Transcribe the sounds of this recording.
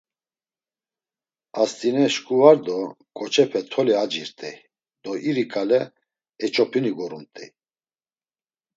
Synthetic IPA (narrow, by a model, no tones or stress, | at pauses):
ast̪ʼinɛʃkʼuvaɾd̪ɔ | kʼɔt͡ʃʰʼɛpʰɛt̪ʰɔliad͡ʒiɾt̪ʼɛ | d̪̥ɔʔiɾikʼalɛ | ɛt͡ʃʼɔpʰiniɡɔɾumt̪ʼḭ